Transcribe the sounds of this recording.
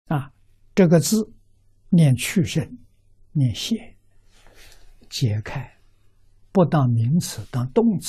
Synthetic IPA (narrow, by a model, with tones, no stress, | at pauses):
a˧ | ʈ͡ʂɤ˥˩ɡə˩t͡sɹ̩˥˩ | njɛ˥˧nt͡ɕʰy˥˧ʂə˥˩n | njɛ˥˩˧nɕjɛ˥˩ | t͡ɕjɛ˧˥kʰa˥˩ɪ | pu˥˧t̪ɑ˥˩mi˧˥ŋt͡sʰɹ̩˨˩˦t̪ɑ˥˧t̪ʊ˥˧ŋt͡s